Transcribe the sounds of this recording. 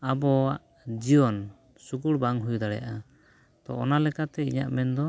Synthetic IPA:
abɔaʔ | d͡ʒiɔn | sukuɽbaŋɦujd̪aɽɛja̰ʔa | t̪ɔ̰ːnalɛkat̪ɛḭɲa̰ʔmɛnd̪ɔ

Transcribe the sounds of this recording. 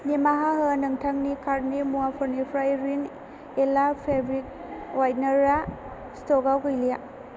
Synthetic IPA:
nimaɦaɦɯnɐŋtʰaŋnikʰaɾnimuapʰɔɾnipʰɾajɾin | elapʰebɾik̚ | wajnɐɾa | stɔɡawɡɯjlija

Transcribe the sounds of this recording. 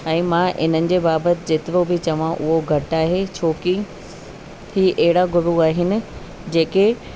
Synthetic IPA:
ɛ̃ːmãʔɪn̤ənɪ̆d͡ʑeːbaːbət̪ɪ̆d͡ʑeːt̪ɪɾobɪt͡ɕɐʋãʔʊɦoɡʱɐʈaːɦet͡ɕʰoːki | hiːʔɐɦɪɽaɡʱʊɽuaːɦɪnɪ̆ | d͡ʑeːke

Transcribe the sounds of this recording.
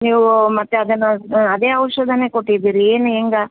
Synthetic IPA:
niːʋumɐt̪ːeɐd̪ɐnːɐɐd̪eːɐʋɐʂɐd̪ʱɐnekoʈːid̪iːɾieːnueŋɡɐ

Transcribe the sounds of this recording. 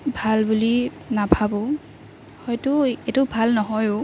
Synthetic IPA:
bʱalbuli | nabʱabɔ | hɔjtʊetʊbʱalnɔɦɔjʊ

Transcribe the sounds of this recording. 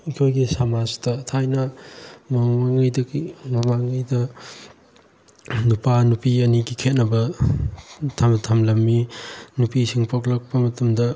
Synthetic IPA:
ikʰojɡisamad͡ʒtɐtʰajnɐmɐmaŋɐjdɐɡimɐmaŋɐjdɐ | nupanupiɐniɡikʰet̚nɐbɐ | tʰamtʰamlɐmːinupisiŋpʰoklɐk̚pɐmɐtɐmdɐ

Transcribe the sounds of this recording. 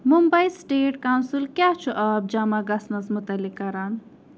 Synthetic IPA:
mumbɐjsʈeːʈkawnsilkjat͡ʃʰuʔɐb̚d͡ʒɐmaɡɐsnɐsmut̪ɐlːikːɐɾan

